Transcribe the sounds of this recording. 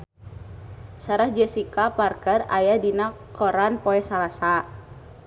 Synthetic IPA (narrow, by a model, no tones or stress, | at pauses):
saɾahd͡ʒɛsikaparkəra̰jadinakɔɾanpɔɛsalasa